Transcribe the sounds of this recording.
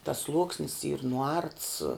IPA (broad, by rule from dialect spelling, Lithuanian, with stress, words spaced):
tɐs ˈslˠuɔksʲnʲɪs iːr nʊˈɐrts